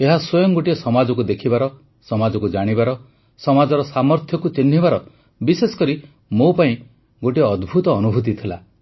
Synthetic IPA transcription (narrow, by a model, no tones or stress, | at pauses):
eɦaswɔjɔŋɡoʈiesɔmad͡ʒɔkud̪ekʰibaɾɔ | sɔmad͡ʒɔkud͡ʒaɽ̃ibaɾɔ | sɔmad͡ʒɔɾɔsamɔɾt̪ʰjɔkut͡ʃinːibaɾɔ | bisesɔ̥kɔɾi | mopaĩ | ɡoʈiɔːd̪bʱut̪ɔːnubʱut̪̬it̪ʰila